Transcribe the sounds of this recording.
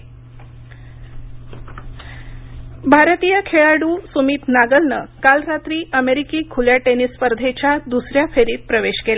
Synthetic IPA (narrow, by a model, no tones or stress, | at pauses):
bʱaɾt̪ijəkʰeɭaɽuːsumiːt̪naɡəlnəkalɾat̪ɾiːʔəmeɾikiːkʰuljaʈenispəɾd̪ʱet͡ɕjad̪usɾjafʰeɾiːt̪̚pɾəʋeɕkela